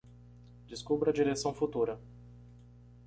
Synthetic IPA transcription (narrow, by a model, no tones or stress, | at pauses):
d͡ʒɪskubɾɐd͡ʒiɾesɐ̃w̃fut̪uɾɐ